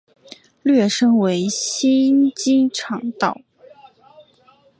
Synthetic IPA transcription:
lɥɛ˥˩ʂɤ˥ŋwe˧˥ɪɕi˥nt͡ɕi˥ʈ͡ʂʰɑ˨˩ŋt̪ɑ˥˩ʊ

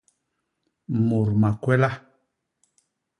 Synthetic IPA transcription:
mo˨ɾma˨kwɛ˦la˦

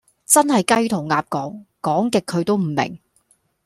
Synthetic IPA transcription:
t͡sɐ˥nhɐ˨jkɐ˥jt̪ʰʊ˨˩ŋŋaː˨˧p̚kɔː˨˥ŋkɔː˨˥ŋkɪ˨kʰːɵ˨˧ɥt̪o˥wm̩˨˩mɪ̰˨˩ŋ

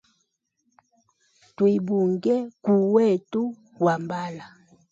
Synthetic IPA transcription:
twi˨bu˨ŋɡɛ˦ku˨wɛ˦˨tu˦ | wa˨mba˦la˨

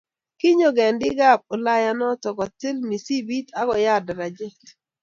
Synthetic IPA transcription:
ki˦ɲo˨ɡɛ˨ndɪ˦ɡa˦˨p̚o˨la˦ja˨nɔ˦tɔ˨ɡɔ˨tɪ˦lmi˨si˦bi˦ta˦ɡɔ˨ja˦˨da˨ɾa˨d͡ʒe˦

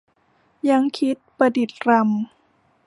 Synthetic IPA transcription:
ja˧˥ŋkʰi˦˥t̪̚pɾa˧di˨˩t̪̚ɾa˧m

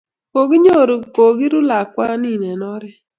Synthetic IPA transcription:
ko˨ɡɪ˦ɲo˦˨ɾo˨ko˨ɡɪ˦ɾʊ˦la˨kwa˦nɪ˦˨nɛ˨nɔ˦ɾɛ˦

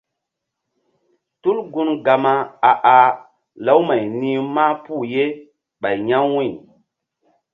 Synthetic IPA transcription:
tu˦lɡu˦nɡa˨ma˨a˨ʔa˨ | la˦wma˨jni˦ma˦pu˦˨je˦ | ɓa˨jɲa˦ŋwi˦˨

